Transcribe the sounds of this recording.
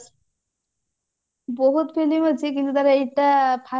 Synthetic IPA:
boɦut̪fʰelimɦot͡ɕʰik̬int̪ut̪aɾaeʈapʰa

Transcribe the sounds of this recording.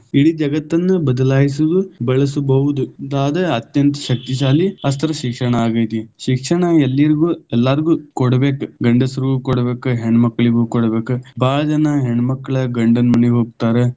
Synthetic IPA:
iɽid͡ʒɐɡɐt̪ːɐnːɐbɐd̪ɐlaːjis̬ud̪ubɐɭɐsubɐɦud̪ud̪aːd̪ɐɐt̪jɐnt̪ɐ̥ʃɐk̚t̪iʃ̬aːliɐs̬t̪ʰɐɾɐʃikʂɐɳɐaːɡɐjt̪iʃikʂɐɳɐelːiɾiɡuɛlːaːɾiɡuːkɔɽɐbe̞ːkuɡɐɳɖɐsɐɾiɡuːkɔɽɐbeːkuɦeɳɐmɐkːɐɭiɡuːkɔɽɐbeːkubaːɭɐd͡ʒɐnɐɦeɳmɐkːɐɭɐɡɐɳɖɐnmɐneoːɡ̚t̪aːɾe

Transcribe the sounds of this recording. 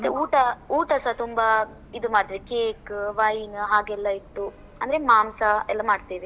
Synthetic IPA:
ɐt̪ːeuːʈɐuːʈɐsɐt̪umbɐ | id̪umaːɖt̪iʋekeːkʋɐjnɦaːɡɛlːɐiʈːu | ɐnd̪ɐɾe̞maːmsɐɛlːɐmaːɖt̪eːʋe

